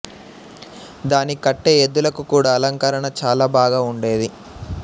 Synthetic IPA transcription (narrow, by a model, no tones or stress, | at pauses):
d̪aːnikɐʈːe̞ːed̪ːulɐkukuːɽaːɐlɐŋkaːɾɐɳɐt͡ʃaːlaːbaːɡaːuɳɖe̞ːd̪i